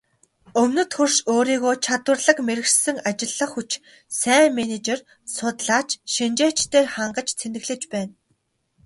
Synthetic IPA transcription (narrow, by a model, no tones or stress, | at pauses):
ɵmnɵ̆t̪xurʃoːɾiːɣoːt͡ɕʰat̪wə̆rɮə̆kmeɾɘ̆ksɘ̆ŋat͡ɕɪ̆ɮːə̆χut͡ɕ | sæːŋmenet͡ɕer | sʊt̪ɮaːt͡ɕʃint͡ɕeːt͡ɕt̪eːrχaɴɢə̆t͡ɕt͡sʰenɘ̆ɣɮɘ̆t͡ɕpæːn